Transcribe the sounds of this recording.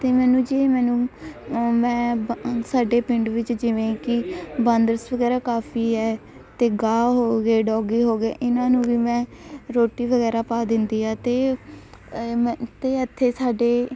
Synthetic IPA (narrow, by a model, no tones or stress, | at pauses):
t̪eːmɛːnũːd͡ʒeːmɛːnũː | mɛ̃ːsaːɖeːpɪɳɖʋɪt͡ʃd͡ʒɪʋẽkɪbənd̪əɾsʋəɡɛːɾaːkaːpʰiːɦɛː | t̪eːɡaːɦoːɡeːɖɔːɡiːɦoːɡeːʔɪnãːnũːʋiːmɛ̃ːɾoːʈiːʋəɡɛːɾaːpaːd̪ɪnd̪iːaːt̪eː | mt̪eːət̪ʰːeːsaːɖeː